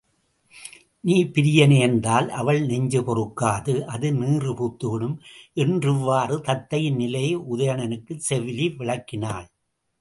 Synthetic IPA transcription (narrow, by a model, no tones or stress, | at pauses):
niːpɪɾɪjɐneːnd̪aːlʔɐʋɐɭnɛɲd͡ʒɯpɔrɯkːaːðɯʔɐðɯniːrɯpuːt̪ːɯɽɯmʔɛndrɪʋːaːrɯt̪ɐt̪ːɐjɪnnɪlɐjɐʔʊðɐjɐɳɐnɯkːɯsɛʋɪliʋɪɭɐkːɪnaːɭ